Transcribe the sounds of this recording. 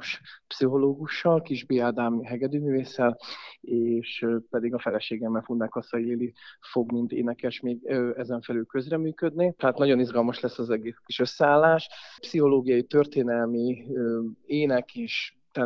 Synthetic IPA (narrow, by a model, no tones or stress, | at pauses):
ʃpsiɦo̞loːɡuʃːɒlkiʒbiːaːd̪aːmiɦɛɡɛd̪yːmyːveːsːɛleːʃpɛd̪iɡɒfɛlɛʃeːɡɛmːɛlfunːaːkɒsɒjleːlifo̞ɡmint̪ḛːnɛkɛʃmeːɡøɛzɛɱfɛlylkø̞zrɛmyːkød̪nit̪ɛɦaːt̪nɒɟo̞nizɡɒlmɒʃlɛsːɒzɛɡeːskiʃø̞sːɛaːlːaːʃpsiɦo̞loːɡijɒjit̪ø̞rt̪eːnɛlmi | eːnɛkiʃ | t̪ɛ